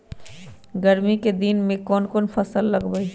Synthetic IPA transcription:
ɡəɾmiked̪iːnmẽkɔːnkɔːnpʰɐsəlːɐɡbəi

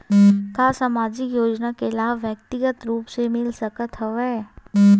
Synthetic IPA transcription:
kaːsaːmaːd͡ʒɪkjoːd͡ʒnakelaːʋʋjək̚t̪ɪɡət̪ɾuːpsemɪlsəkət̪ɦəʋɛː

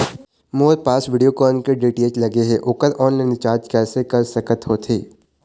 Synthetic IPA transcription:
moːɾpaːsʋɪɖijokɔːnkeɖeːʈeːt͡ʃlɐɡeɦɛʔʊkəɾɔːnlaːɪnt͡ʃaːɾd͡ʒkɛːsekɐɾsɐkət̪ɦoːt̪ʰeː

